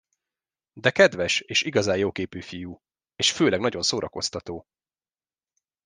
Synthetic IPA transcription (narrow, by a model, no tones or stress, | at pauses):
d̪ɛkɛd̪ʋɛʃeːʃiɡɒzaːjoːkeːpyːfijuː | eːʃføːlɛɡnɒɟo̞nsoːɾʔɒko̞st̪ɒt̪oː